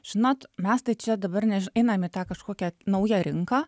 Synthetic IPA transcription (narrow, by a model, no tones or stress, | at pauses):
ʒʲɪnoːt̪mʲɛst̪ɐɪt͡ʃʲɛd̪ɐbɐrnʲɛɛɪnɐmɪt̪ɑːkɐʃkoːkʲɛnɐʊjɛɾʲɪŋkɑː